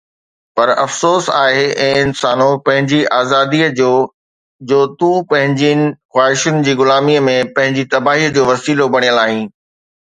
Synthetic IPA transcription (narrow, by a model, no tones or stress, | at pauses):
pɐɾɐfsoːsa̰ːɦeʔɛ̃ːɪnsaːnõpɐ̃ɦɪ̃ɲd͡ʑiʔaːzaːd̪iəd͡ʑoː | d͡ʑoːt̪ũpɐ̃ɦɪ̃ɲd͡ʑinɪ̆xwaːɦɪʃʊnɪ̆d͡ʑiːɡʊlaːmiəmẽpɐ̃ɦɪ̃ɲd͡ʑit̪ɐbaːɦiːəd͡ʑoːʋɐsiːlobɐɽ̃ijəlaːɦĩː